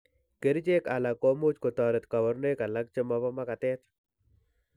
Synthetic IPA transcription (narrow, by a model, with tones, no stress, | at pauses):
ke˨ɾi˦d͡ʒe˦ka˨la˨kːɔ˨mo˦t͡ʃko˨t̪ɔ˨ɾe˨t̪ka˨wɔ˨ɾne˦ka˨la˦k̚t͡ʃə˦mɔ˦bɔ˦ma˦ka˨t̪ɛ˦t